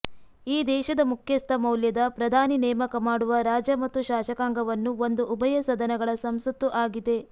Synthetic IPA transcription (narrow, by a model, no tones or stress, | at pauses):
iːd̪ɛːʃɐd̪ɐmukʰjɐst̪ʰɐmɐwljɐd̪ɐpɾɐd̪ʱaːninɛːmɐkɐmaːɽuʋɐɾaːd͡ʒɐmɐt̪ːuʃaːʃɐkaːŋɡɐʋɐnːuo̞nd̪uʔːbɐjɐsɐd̪ɐnɐɡɐɭɐsɐmsɐt̪ːuʔaːɡid̪e̞